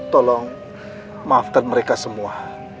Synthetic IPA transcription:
t̪ɔlɔŋ | maːfkan̚məɾekasəmua

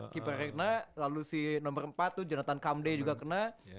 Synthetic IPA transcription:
kipaɾɛkənalalusinɔmbərəmpat̪ːud͡ʒanat̪ankamded͡ʒuɡakəna

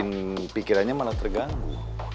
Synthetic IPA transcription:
ɪnpikiɾanɲamalat̪ərɡaŋɡṵ

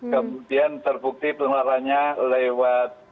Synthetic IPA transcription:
kəmudiant̪ərbuk̚t̪ipəŋlaɾaɲalewat̪̚

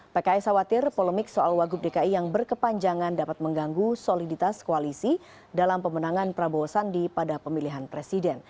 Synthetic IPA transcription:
pekaɛsawat̪ɪrpoləmɪk̚soʔalwaɡup̚dekaijaŋbərkəpaɲd͡ʒaŋandapat̪̚məŋɡaŋɡusolidit̪askoalisi | dalampəmənaŋanpɾabosandipadapəmiliɦanpɾesidɛn

